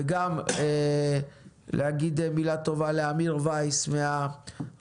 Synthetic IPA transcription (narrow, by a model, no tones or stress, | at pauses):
eɡame | lehaɡid̪emilat̪o̞valeamiʁvajsmea